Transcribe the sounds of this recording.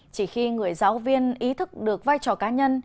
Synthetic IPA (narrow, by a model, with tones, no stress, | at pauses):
t͡ɕi˧˩xi˧ŋɨ˨˩əjzaː˨˦wvi˧ənʔi˨˦t̪ʰɨ˦˥k̚ɗɨ˨˩ək̚vaː˧jt͡ɕɔ˨˩kaː˨˦ɲə˧n